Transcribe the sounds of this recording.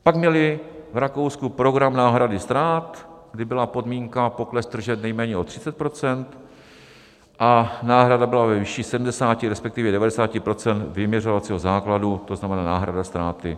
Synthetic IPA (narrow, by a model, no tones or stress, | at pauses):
paɡmɲɛlɪvɾako̞wskupɾo̞ɡɾamnaːɦɾadɪst̪ɾaːt̪ɡdɪbɪlapo̞dmiːŋkapo̞klɛsd̪r̩ʒɛt̪nɛjmɛːɲɛo̞t̪r̝̥ɪ̥t͡sɛt̪̚pɾo̞t͡sɛnt̪ | ʔanaːɦɾadabɪlavɛvɪʃiːsɛdm̩dɛsaːcɪɾɛspɛkt̪ɪvjɛdɛvadɛsaːcɪpɾo̞t͡sɛnt̪vɪmɲɛrovat͡siːɦo̞zaːkladut̪o̞znamɛnaːnaːɦɾa̰dast̪ɾaːt̪ɪ̰